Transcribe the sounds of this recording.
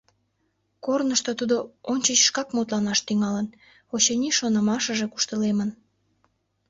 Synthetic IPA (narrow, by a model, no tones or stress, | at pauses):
kornəʃt̪ot̪ud̪oonʲt͡ɕət͡ɕʃkɑkmot̪lɑnɑʃt̪yŋɑlən | ot͡ɕeniʃonəmɑʃəʒeku̥ʃt̪əlemən